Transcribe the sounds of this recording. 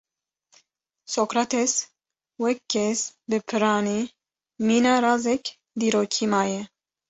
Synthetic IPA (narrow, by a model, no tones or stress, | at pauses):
sokɾat̪ɛs | wɛkːɛsbɨpʰɨɾɑːni | miːnaɾɑzɛk | d̪iːɾoːkʰiːmaːjɛ